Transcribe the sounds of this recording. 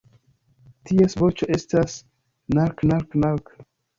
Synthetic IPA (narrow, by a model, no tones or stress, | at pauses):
tiesvot͡ʃoʔestas | naɾknaɾknaɾk